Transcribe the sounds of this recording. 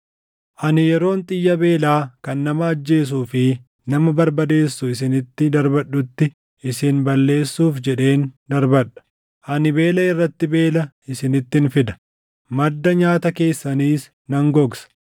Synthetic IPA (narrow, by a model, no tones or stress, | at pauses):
ʔɐnɪjɛɾo̞ːnt̪ʼɪjːɐbe̞ːlaːkɐnːɐmɐːd͡ʒːe̞ːs̬uːfɪ | nɐmɐbɐɾbɐd̪e̞ːsːʊɪsɪnɪt̪ːɪd̪ɐɾbɐᶑːʊt̪ːɪ | ʔɪsɪnbɐlːe̞ːsːuːfd͡ʒɛᶑe̞ːnd̪ɐɾbɐᶑɐ̥ | ʔɐnɪbe̞ːlɐɪrːɐt̪ːɪbe̞ːlɐ | ɪsɪnɪt̪ːɪnfɪd̪ɐ̥ | mɐd̪ːɐɲaːt̪ɐke̞ːsːɐniːs | nɐŋɡɔɡsɐ̥